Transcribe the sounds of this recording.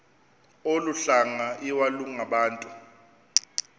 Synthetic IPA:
oluɬaŋaiwaluŋaɓaːntʼu

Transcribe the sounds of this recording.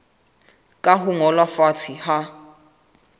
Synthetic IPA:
kʼaɦʊŋɔlwafatʰiha

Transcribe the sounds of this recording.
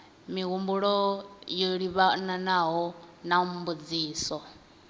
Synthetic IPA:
miɣumbuɺɔjoɺiβananaɦɔnambud͡ziːsɔ

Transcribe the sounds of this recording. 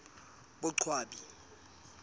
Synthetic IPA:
ɓʊǀʰwaːɓi

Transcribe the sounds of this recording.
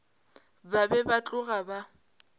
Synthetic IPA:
babɛbat͡ɬʼʊɣaba

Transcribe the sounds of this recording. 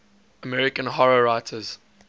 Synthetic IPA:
əmɛɹɪkə̃nɦɔɹəɹaɪtʰəz̥

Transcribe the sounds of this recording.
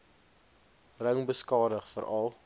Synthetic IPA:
rəŋbəskɑːdəχfəɾɐlˠ

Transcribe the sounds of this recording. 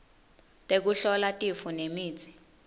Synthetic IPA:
tʼek̬uɬɔlatʼifunemiːt͡sʰʼi̥

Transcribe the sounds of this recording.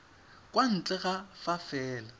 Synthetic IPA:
kʼwan̩t͡ɬʼɛɣafafɛːla

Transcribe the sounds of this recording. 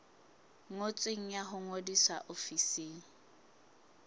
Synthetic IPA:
ŋot͡sʼweŋ̩jaɦʊŋodiswaʔofiseːŋ̩

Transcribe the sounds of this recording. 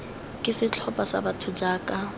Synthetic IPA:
kʼɪsɪt͡ɬʰɔpʼasa̰batʰʊd͡ʒaːkʼa

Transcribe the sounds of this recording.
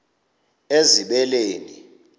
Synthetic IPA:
eziɓɛleːni

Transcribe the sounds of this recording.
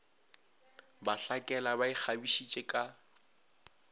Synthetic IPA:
baɬakʼɛlabaɪk͡xʰabiʃit͡ʃʼekʼa

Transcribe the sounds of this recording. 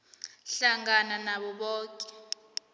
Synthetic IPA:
ɬaŋananaɓɔɓɔːkʼɛ̥

